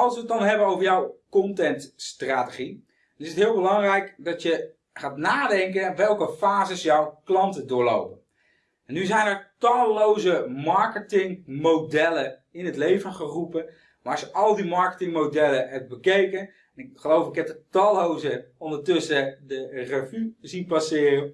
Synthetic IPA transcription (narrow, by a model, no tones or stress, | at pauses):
ɑlˠsʋət̚dɑnɦɛbənowvəɹjɔwkɔntɛntstraːtəχi | dɔnɪsətɦɪːlˠbəlɑŋrɛjkdɔtjə | χaːtnaːdɛŋkəʋɛlˠkəfaːzəsjɔwklɑntədʊːɹlo̰wpən | ɛnːyzɛjnəɹtɑlˠːowzəmɑɹkətɪŋmowdɛləɪnətlejvənχərupən | maɹɑsjəʔɔlˠdimɑɹkə̥tɪŋmowdɛləɦɛp̚bəkejkən | ɛnɪkχəlowfɪkɦɛp̚dətɑlˠowzəɔndətøsədərəvyzitpasɪːrən